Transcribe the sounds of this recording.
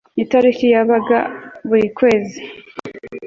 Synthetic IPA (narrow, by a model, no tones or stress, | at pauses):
itaɾikijaβaɡa̰βuɾikwe̞ːzi